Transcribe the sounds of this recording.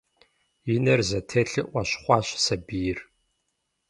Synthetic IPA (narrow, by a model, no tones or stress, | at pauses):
jɪnɐrzɐtʰeːɬɨʔʷɐɕχʷɑːɕsɐbijɪr